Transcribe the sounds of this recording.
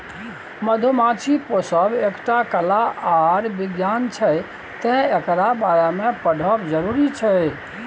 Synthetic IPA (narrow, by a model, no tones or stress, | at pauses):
məd̪ʱumat͡ʃʰiposəbekʈakəlaaɾbiɡjant͡ʃʰɛj | t̪ɛ̃ekɾabajamẽpəɽʱəbd͡ʒəɾuɾit͡ʃʰɛj